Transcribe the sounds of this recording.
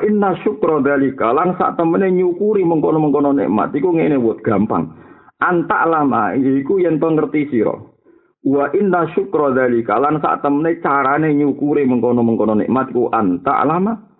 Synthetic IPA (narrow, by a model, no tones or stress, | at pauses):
ʔinːaʃukɾɔðalikalansa̰ʔt̪əməneɲukuɾiməŋkonɔməŋkonɔnḛʔma̰t̪ikuŋenewʊt̪̚ɡ̥ampa̰ŋʔant̪a̰ʔlama̰jiikujɛnt̪ɔŋərt̪isiɾɔ̰ | uwaʔinːaʃukɾɔðalikalansa̰ʔt̪əmənet͡ʃaɾaneɲukuɾiməŋkonɔməŋkɔnɔnḛʔmat̪ikuʔa̰nt̪a̰ʔlama